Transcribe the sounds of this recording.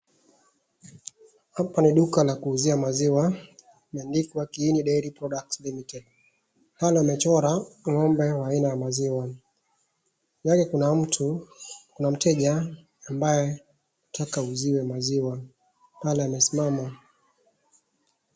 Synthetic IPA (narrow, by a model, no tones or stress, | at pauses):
hapaniɗukalakuːziamaziwa | mɛndikwakiːniɗɛiɾipɾɔɗak̚tlimitɛd | palɛamɛt͡ʃɔɾaŋɔmbɛwaːinajamaziwa | jakɛkunam̩tʰukunam̩tʰɛʄaː | mbajɛ | atʰakauziwɛmaziwa | palɛamɛsi̥mama